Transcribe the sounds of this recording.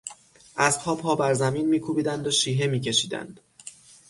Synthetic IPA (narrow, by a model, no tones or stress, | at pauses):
ʔæzpʰɒːbʰɒːbæɾzæmiːnmiːkʰuːbiːd̪ænd̪oʃiːɦe̞miːcʰe̞ʃiːd̪æ̰nd̪̥